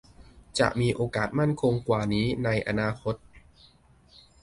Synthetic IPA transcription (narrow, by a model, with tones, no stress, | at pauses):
t͡ɕa̰˨˩ʔmiː˧ʔoː˧kaː˨˩t̪̚ma˥˩nkʰo˧ŋkwaː˨˩niː˦˥na˧jʔa̰˧naː˧kʰo˦˥t̪̚